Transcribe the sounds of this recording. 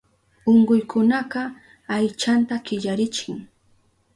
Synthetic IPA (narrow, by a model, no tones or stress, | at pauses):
oɴɢʊjkʊnaɢɑ | ajt͡ʃant̪akɪʎaɾɪt͡ʃɪŋ